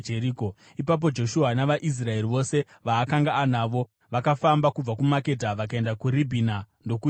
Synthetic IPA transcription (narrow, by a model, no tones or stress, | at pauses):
d͡ʒeɾiːko | ipap̬o̞d͡ʒo̞ʃuɦanaʋaʔis̬rae̞riʋo̞se̞ | ʋaːkaŋɡaːnaːʋo̞ | ʋakafambakub͡vakumake̞t̬aʋak̬ae̞ndakuribʱina | ndo̞ku